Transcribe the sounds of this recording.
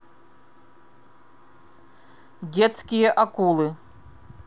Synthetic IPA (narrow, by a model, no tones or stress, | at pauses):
d͡zʲɛt̪skʲijɐʔakulˠɨ